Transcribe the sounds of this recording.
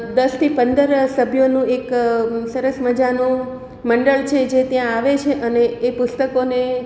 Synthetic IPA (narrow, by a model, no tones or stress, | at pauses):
d̪əst̪ʰipənd̪əɾsəbʱjonũeksəɾəsməd͡ʒanũ | məɳɖəɭt͡ʃʰed͡ʒet̪jãaʋet͡ʃʰeʔəneːpʊst̪əkone